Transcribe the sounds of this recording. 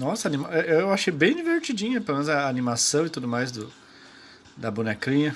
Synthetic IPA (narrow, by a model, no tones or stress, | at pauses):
nɔsɐanĩmaɛewewaʃejbẽj̃d͡ʒiveɾt͡ʃid͡ʒĩɲɐpelomẽnʊzɐːnĩmasɐ̃w̃ɪt̪ud̪ʊmajzd̪ʊ | d̪ɐbunɛkĩɲɐ